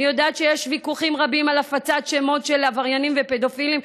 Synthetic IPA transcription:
ijodaːt̪ʃejeʃvikuχimʁabimalafat͡sat̪ʃemo̞t̪ʃe̞lavaʁjanimvepe̞d̪o̞filim

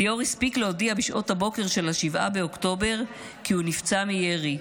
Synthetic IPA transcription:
jo̞ʁispikleodiabiʃʔo̞thabo̞ke̞ʁʃe̞lhaʃivʔa̰beo̞kto̞be̞ʁ | kihunift͡samijeʁi

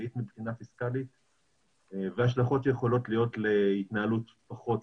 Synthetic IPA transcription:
it̪mibχinafiskalit̪̚ | veaʃ̬laχo̞tʃejeχo̞lo̞t̪lijo̞t̪leit̪naalut̪ | paχo̞t

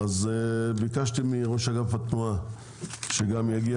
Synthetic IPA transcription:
azbikaʃt̪imiʁo̞ʃaɡafhat̪nua | ʃeɡamjaɡia

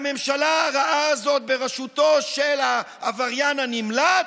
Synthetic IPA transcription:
me̞mʃalaʁaʔaːzo̞t̪̚beʁeʃut̪o̞ʃelaː | vaʁjananimla

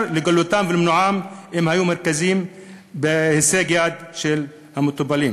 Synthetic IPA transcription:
ɾlɪɡʊlːʊt̪aːmvɪlmnʊʕaːmʔɪmhajuːmːɑɾˤkaziːm | bɪhɪseːɡjaːd̪ʃɪl | hamʊt̪ˤɑbːɑliːn

